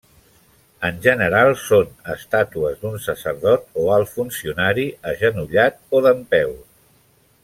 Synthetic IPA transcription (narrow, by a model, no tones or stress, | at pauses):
ənʒənəɾalˠsonəst̪at̪uəzd̪unsəsəɾðɔt̪oalˠfunsiunaɾiəʒənuʎat̪̚oðəmpɛw